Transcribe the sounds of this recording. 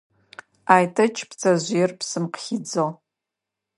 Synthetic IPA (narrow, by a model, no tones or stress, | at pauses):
aːjtʰɐt͡ʃʰpt͡sʰɐʑʷjɛrpsɨmqxid͡zol